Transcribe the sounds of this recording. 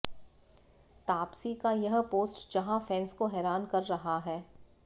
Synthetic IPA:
t̪aːpsikajɐɦpoːsʈd͡ʒɐɦãfɛ̃ːnskoɦɛːɾaːnkɐɾːɐɦaɦɛː

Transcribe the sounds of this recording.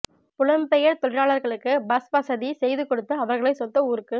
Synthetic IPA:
pʊlɐmpɛjɐɾt̪ɔɭɪɾaːɭɐɾɣɐɭɯkːɯbɐspɐsɐðisɛjðɯkɔɽɯt̪ːɯɐʋɐɾɣɐɭɐɪsɔt̪ːɐuːɾɯkːɯ

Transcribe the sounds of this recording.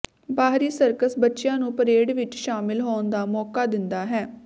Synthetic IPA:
baːɦɾiːsəɾkəsbətːʃɪjãːnũːpəɾeːɽʋɪt͡ʃʃaːmɪlɦoːnd̪aːmɔːkaːd̪ɪnd̪aːɦɛː

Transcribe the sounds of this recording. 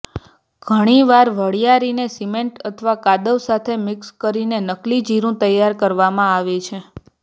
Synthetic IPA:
ɡ̥ʱəɽ̃iʋaɾʋəɽjaɾinesimeɳʈət̪ʰəʋakad̪əʋsat̪ʰemɪkskəɾinenəklid͡ʒiɾũt̪əjːaɾkəɾʋamãaʋet͡ʃʰe

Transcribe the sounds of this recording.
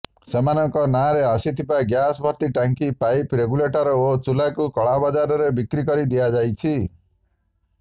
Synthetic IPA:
semanɔŋkɔnaɾeasit̪ʰibaɡjasbʱɔɾt̪iʈaŋkipajpɾeɡuleʈɔɾɔot͡ʃulakukɔɭabad͡ʒaɾɔɾebikɾikɔɾid̪ijad͡ʒajt͡ʃʰi

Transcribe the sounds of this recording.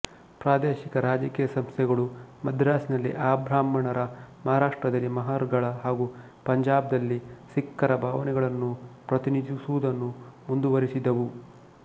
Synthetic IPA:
pɾaːd̪eːʃikɐɾaːd͡ʒɐkiːjɐsɐmst̪ʰjɛɡɐɭumɐd̪ʱɾaːsinɐlːḭʔaːbʱɾaːmɐɳɐɾɐmɐɦaɾaːʂʈɾɐd̪ɐlːimɐɦaːɾɡɐɭɐɦaːɡu | pɐɲd͡ʒaːb̚d̪ɐlːisikːɐɾɐbʱaːʋɐnɛɡɐɭɐnːupɾɐt̪inid͡ʒisuʋud̪ɐnːumund̪uʋɐɾisid̪ɐʋu

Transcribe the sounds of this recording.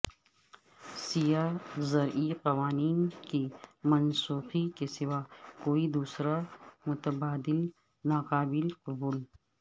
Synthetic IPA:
sijaːzɐɾʔiqɐʋaːniːnkimɐnsuːxikesɪʋaːkoːid̪uːsɾamʊt̪ɐbaːd̪ɪl | naːqaːbɪlqʊbuːl

